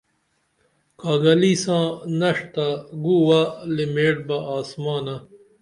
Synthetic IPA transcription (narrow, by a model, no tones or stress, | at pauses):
kaːɡɐliːsãːnɐʂt̪aɡuːwalimeːʈ̚bɐaːsmaːnɐ